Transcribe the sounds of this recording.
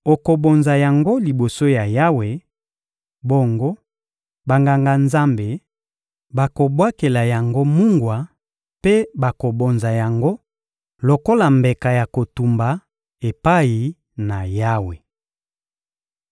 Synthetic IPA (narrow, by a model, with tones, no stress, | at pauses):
o˨ko˨bo˨nza˨ja˨ŋɡo˦li˨bo˨so˦ja˨ja˦we˨ | bo˦ŋɡo˦ | ba˨ŋɡa˨ŋɡa˨nza˦mbe˨ | ba˨ko˨bwa˦ke˨la˨ja˨ŋɡo˦mu˦ŋɡwa˨ | pe˦ba˨ko˨bo˨nza˨ja˨ŋɡo˦ | lo˨ko˦la˨mbe˨ka˨ja˨ko˨tu˨mba˨ | e˨pa˦i˨ | na˨ja˦we˨